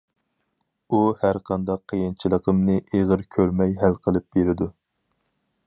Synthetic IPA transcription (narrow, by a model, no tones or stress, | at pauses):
uhæɾqʰɑnd̪ɑqʰːəjɨnt͡ʃʰilˠəqʰəmnɨʔeʁəɾkʲʰøɾmɛjɦælqʰəlˠɨp̚beɾɪd̪u